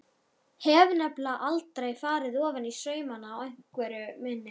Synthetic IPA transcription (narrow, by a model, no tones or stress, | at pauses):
hɛːvnɛplaʔalt̪ɾajfaːɾɪðɔːvanisœːɥmanaːwejŋ̥kvɛːɾʏmɪnːɪ